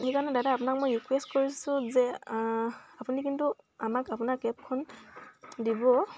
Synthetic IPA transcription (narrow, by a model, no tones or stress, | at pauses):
xekaɹɔnɛdadaapʊnak̚mojɹikwestkoɹisʊ̃zɛ | apunikintu | amakapʊnakɛp̚kʰɔn | dibɔ